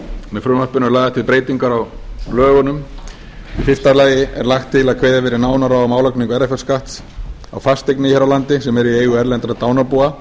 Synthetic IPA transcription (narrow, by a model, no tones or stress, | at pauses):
mɛðfɾʏːmapʏnʏɾlaːjðat̪ʰɪlpɾeːjt̪iŋkaɾawlœːɣʏnʏm | ifɪr̥t̪alaːjɪɛɾlaxt̪ʰːɪlaðkʰveːjðavɛːɾɪɾnaːwnaɾaɔmaːwlakniŋkɛɾafɛl̥skaht̪s | a̰wfast̪ejknɪçɛɾawlant̪ɪsɛmɛɾieːjɣʏɛɾlɛnt̪ɾat̪aːwnapua